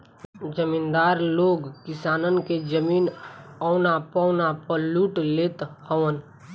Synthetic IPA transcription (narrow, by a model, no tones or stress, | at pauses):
d͡ʒəmiːnd̪aːɾloːɡkɪsaːnənked͡ʒəmiːnɔʊnapɔʊnapəluːʈleːt̪həʋən